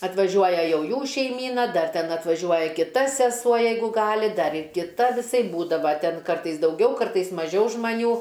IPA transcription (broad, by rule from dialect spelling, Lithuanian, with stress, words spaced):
ɐtʋɐˈʒʲuɔjɛ ˈjɛʊ ˈjuː ʃʲɛɪˈmʲiːnɐ ˈdɐr ˈtʲɛn ɐtʋɐˈʒʲuɔjɛ kʲɪˈtɐ sʲɛˈsuɔ ˈjɛɪɡʊ ˈɡɑːlʲɪ ˈdɐr ɪr kʲɪˈtɐ ʋʲɪˈsɐɪp ˈbuːdɐʋɐ ˈtʲɛn ˈkɐrtɐɪs dɐʊˈɡʲɛʊ ˈkɐrtɐɪs mɐˈʒʲɛʊ ʒmɐˈnʲuː